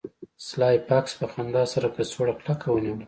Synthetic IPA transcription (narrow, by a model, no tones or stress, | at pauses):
slɑjpakspəxand̪ɑsaɾakəsoɽaklakʰawəniwəla